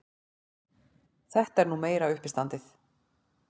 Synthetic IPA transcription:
θɛht̪ɛɾnumeːjɾaʏhpɪst̪ant̪ɪθ

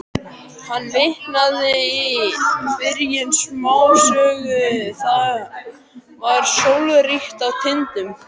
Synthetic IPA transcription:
hanːmɪhnaðɪivɪɾjɪnsmaːwsœːɣʏθa | vaɾ̥sowlʏrixt̪awt̪ʰɪnt̪ʏm

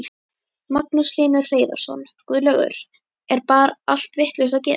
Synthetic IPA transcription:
maknusliːnʏ̥r̥eːjða̰ɾ̥sɔ̰n | kvʏðlœɣʏ̰ɾ̥ | ɛɾpaːɾal̥t̪vɪht̪lesaðc̬ɛː

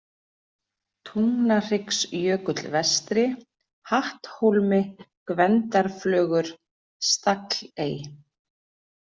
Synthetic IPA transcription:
t̪ʰuŋnar̥ɪksjœːkʏt̪lvɛst̪ɾɪ | haht̪howlmɪkvɛnt̪aɾ̥flœːɣʏɾ̥ | st̪akleːj

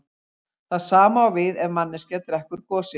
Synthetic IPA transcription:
θaðsaːmaːwvɪðɛvmanːɪscɛt̪ɾɛhkʏɾkɔːsɪ

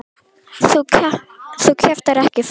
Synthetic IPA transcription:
θu | θucʰɛft̪aɾɛhcɪf

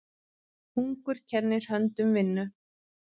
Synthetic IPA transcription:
huŋkʏɾ̥cʰɛɾnːɪɾ̥hœnt̪ʏmvɪnːʏ

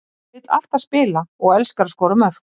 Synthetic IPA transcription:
ɪt̪la̰ft̪aðspɪːlaɔɣɛlskaɾskɔːɾʏmœɾ̥

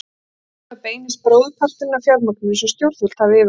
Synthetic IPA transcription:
apeːjnɪspɾoːwðʏpʰar̥t̪ɪnːafjawlmɔknsɛmst̪jowɾ̥θʏl̥t̪havɪːv

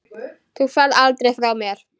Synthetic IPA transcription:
θuɣfɛðalt̪ɾejfɾawmjɛɾ̥

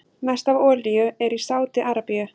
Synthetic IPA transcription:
nast̪avɔːlijʏɛɾisaːwt̪ɪʔaːɾapiʏ

